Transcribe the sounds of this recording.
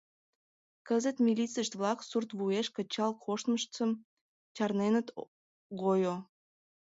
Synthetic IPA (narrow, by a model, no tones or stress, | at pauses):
kəzət̪mʲilʲit͡səʃt̪βlɑksurt̪βueʃkə̆t͡ɕɑlkʰoʃt̪məʃt͡səm | t͡ɕɑrnenət̪ | ɣojo